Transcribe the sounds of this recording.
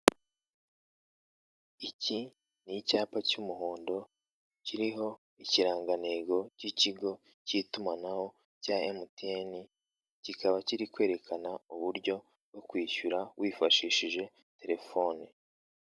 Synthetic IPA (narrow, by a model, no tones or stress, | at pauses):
ici | nicaːpacumuɦoːndo̞ | ciɾiɦo̞ | iciɾaːŋɡaneːɡo̞ciciɡo̞ | citumanaho̞ | caemuteni | cikaβaciɾikwe̞ːɾe̞kʰanauβuɾɟo̞ | ɡokwiːʃuɾawiːfaʃiːʃiʒe̞ | te̞ɾe̞fo̞ːni